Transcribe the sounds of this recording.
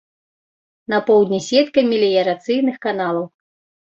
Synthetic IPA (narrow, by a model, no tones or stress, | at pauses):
nɐpɔwd̪ʲnʲisʲɛt̪kɐmʲilʲijɐɾat̪sɨjnɨxkan̪alˠɐw